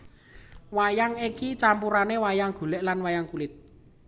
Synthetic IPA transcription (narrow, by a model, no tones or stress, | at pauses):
wajaŋikit͡ʃampuɾanewajaŋɡ̥ṳlɛʔlanwajaŋkulɪt̪̚